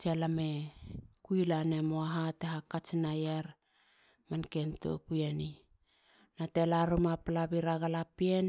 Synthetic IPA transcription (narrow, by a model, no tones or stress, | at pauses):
telamekujlane̞moaɦateɦakat͡ʃnajeɾ | manke̞nto̰kujeni | natelaɾumapalaβiɾaɡalapien